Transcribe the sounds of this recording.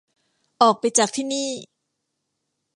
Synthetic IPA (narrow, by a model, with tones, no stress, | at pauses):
ʔɔː˨˩k̚pa˧jt͡ɕaː˨˩k̚t̪ʰiː˥˩niː˥˩